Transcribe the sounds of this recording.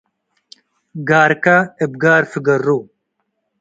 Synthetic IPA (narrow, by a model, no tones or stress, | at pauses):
ɡaːɾkaeb̚ɡaːɾfiɡɐɾːu